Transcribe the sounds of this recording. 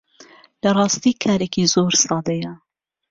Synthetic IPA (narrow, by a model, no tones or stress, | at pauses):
lɐrˤɑːst̪iːkʰaːɾeːkizoːɾsɑːd̪ɐjɐ